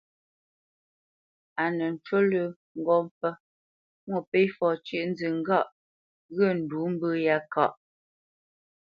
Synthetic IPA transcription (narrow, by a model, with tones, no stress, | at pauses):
a˨nə˨n̩˨t͡ʃwo˦lə˨ | ŋ̩˨ɡɔ˦˨mpə˦ | mwo˦˨pe˦jfɔ˨t͡ʃɥi˦ʔn̩˦zi˨ŋ̩˦ɡa˦˨ʔ | ɣə˦˨n̩˨duː˨˦m̩˦bə˦ja˨˦ka̰˨ʔ